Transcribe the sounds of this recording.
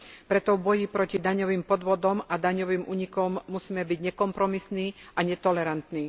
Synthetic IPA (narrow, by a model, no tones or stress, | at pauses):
pɾɛt̪ɔvbɔjipɾɔcid̪aɲɔʋiːmpɔd̪ʋɔd̪ɔmad̪aɲɔʋiːmʔṵːɲikɔmːusiːmɛbiɟɲɛkɔmpɾɔmisniːaɲɛt̪ɔlɛɾant̪niː